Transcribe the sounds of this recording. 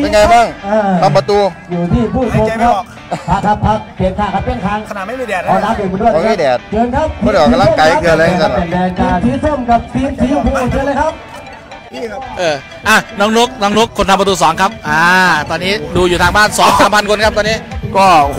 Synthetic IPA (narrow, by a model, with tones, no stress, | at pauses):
e˧˩ŋa˧jbaː˥˩ŋʔɤː˧˩mʰa˧˩pa˧t̪uː˧juː˨˩t̪ʰiː˥˩pʰuː˥˩k̪ʰo˧kʰa˦˥ | a˦˥kʰa˦˥p̚pʰa˦˥k̚pi˨˩ənkʰaː˧˥˩ŋkʰa˦˥p̚ːʰɛ˥˩ŋk̪ʰaː˧ŋʰ˧˨˥ɛː˨˩ɔː˨˦laː˦˥p̚juː˨˩ku˧ndu˥˩˨ɔ˧˥miː˧˥˨dɛː˨˩t̪̚t͡ɕɤː˧nkʰa˦˥p̚ʰːɔː˨˧a˧la˧˥˨ka˧jɯ˧˩lːa˧˩e˨˩dɛː˧kʰa˧˩t̪ʰi˧˦pʰo˥˩mka˨˩p̚fi˧nsiː˨˦pʰuː˧˥o˨˩t̪ʰɯ˧˥lə˧jkʰa˦˥p̚ | ʔɤː˨˧˩ | ʔaː˧˩nɔː˦˥ŋno˦˥k̚nɔː˦˥ŋno˦˥kʰːo˧nt̪ʰa˧mpɾt̪uː˧sɔː˩˦ŋkʰa˦˥p̚ʔaː˧˩t̪ɔː˧nːiː˦˥˩duː˧juː˨˩t̪ʰaː˧ŋbaː˥˩nsɔː˩˦ŋsaː˨˦mpʰa˧nkʰo˧nkʰa˦˥p̚t̪ɔː˧niː˦˥kɔː˧˩